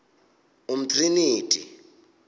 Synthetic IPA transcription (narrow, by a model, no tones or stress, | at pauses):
um̩tʰʼriniːtʼḭ